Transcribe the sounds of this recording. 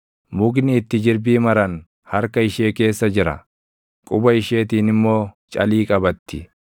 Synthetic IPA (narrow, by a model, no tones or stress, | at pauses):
mʊɡnɪːt̪ːɪd͡ʒɪɾbiːmɐɾɐn | hɐɾkɐɪʃe̞ːke̞ːsːɐd͡ʒɪɾɐ̰ | kʼʊbɐɪʃe̞ːt̪iːnɪmːo̞ː | t͡ʃʼɐ̰liːkʼɐbɐt̪ːɪ